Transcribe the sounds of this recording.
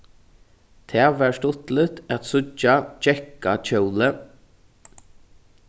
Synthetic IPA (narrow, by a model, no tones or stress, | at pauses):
t̪ʰɛːʋæːɹʂt̪ʊt̪lɪt̪æt̪sʊt͡ʃat͡ʃɛkat͡ʃœwlə